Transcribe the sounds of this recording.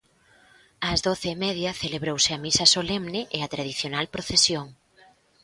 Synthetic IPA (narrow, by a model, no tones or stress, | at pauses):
ɐzðoθɪːmɛðjɐθeleβɾowsɪɐmisɐsolɛmnɪʔeɐt̪ɾaðiθjonalpɾoθesjoŋ